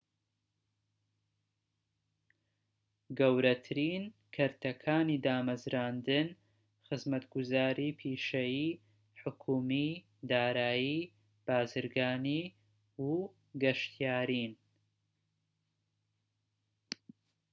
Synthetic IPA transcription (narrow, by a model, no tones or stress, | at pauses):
ɡɐwɾɐt̪ʰɨɾiːnkʰɨɾt̪ʰɐkʰaːniːd̪aːmɐzɾaːnd̪ɨn | xɨzmɐt̪ɡʊzaːɾiːpʰiːʃɐjiː | ħʊkʰuːmi | d̪aːɾaːjiː | b̥aːzɨɾɡaːni | u | ɡɐʃt̪ijaːɾin